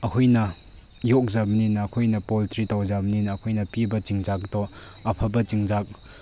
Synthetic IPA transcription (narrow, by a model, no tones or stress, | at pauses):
ɐkʰojnɐ | jɔk̚zɐbninɐːkʰojnɐpoltɾitawzabninɐːkʰojnɐpibɐt͡ʃiŋzak̚dɔ | ɐpʰɐbɐt͡ʃiŋzak̚